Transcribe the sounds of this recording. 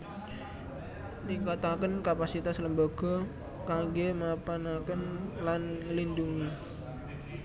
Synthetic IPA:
nikat̪akənkapasit̪asləmbaɡ̥ɔ̤ | kaŋɡemapanakənlanŋəlinduŋi

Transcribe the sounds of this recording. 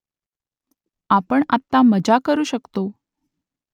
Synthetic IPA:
apəɳat̪ːaməd͡ʑakəɾuːɕəkt̪o

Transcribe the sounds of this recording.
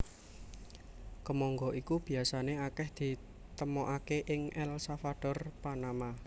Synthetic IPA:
kəmɔŋɡɔʔikub̥i̤asaneakɛhd̪̥i̤ | t̪əmɔʔakeʔɪŋʔɛlsafaɖ̥ɔrpanama

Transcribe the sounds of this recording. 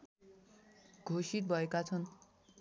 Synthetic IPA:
ɡʱosit̪̚bʱʌekat͡sʰʌn

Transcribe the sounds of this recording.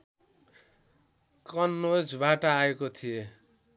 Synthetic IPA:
kʌnːod͡zbaʈʌːekot̪ʰije

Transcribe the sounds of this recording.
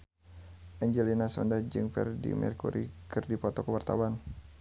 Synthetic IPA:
ʔɛɲd͡ʒɛlinasɔndahd͡ʒɨŋfɛ̰rdḭmɛ̰rkuɾikɨrdipɔt̪ɔkəwart̪a̰wan

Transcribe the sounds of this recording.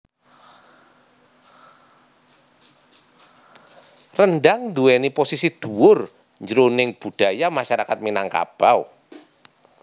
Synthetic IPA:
rənɖaŋnd̪uɛniposisid̪̥uwʊr | ɲd͡ʒəɾonɪŋb̥ṳɖ̪̥a̤jamaʃaɾakat̪̚minaŋka̰b̥aw

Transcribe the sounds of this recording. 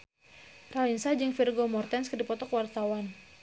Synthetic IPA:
ralinsad͡ʒɨŋfirɡomɔrt̪ɛnskədipɔt̪ɔkwart̪awan

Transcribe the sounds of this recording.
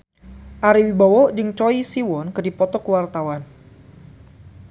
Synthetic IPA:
ʔaɾiwibawɔʔd͡ʒɨŋt͡ʃɔisiwɔnkədipɔt̪ɔkəwart̪awan

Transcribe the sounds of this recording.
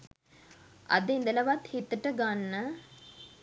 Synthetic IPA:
ʔɐ̰d̪end̪ələʋat̪het̪əʈəɡanːə

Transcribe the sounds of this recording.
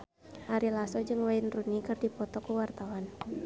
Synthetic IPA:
haɾilasɔd͡ʒɨŋwaɪnrunikɨrdipɔt̪ɔkuwart̪awan

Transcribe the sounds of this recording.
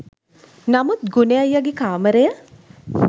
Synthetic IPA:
nɐmut̪̚ɡunejɐjːɐɡikaːməɾejə

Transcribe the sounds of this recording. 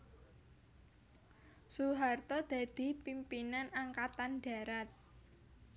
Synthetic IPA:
suɦart̪ɔd̪̥ä̤d̪̥i̤pimpinanaŋkat̪anɖ̥a̤ɾat̪̚

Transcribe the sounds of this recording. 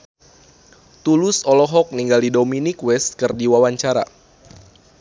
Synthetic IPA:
t̪ulʊsɔlɔɦɔk̚niŋɡaldidominikwɛst̪̚kɨrdiwawaɲt͡ʃaɾa̰

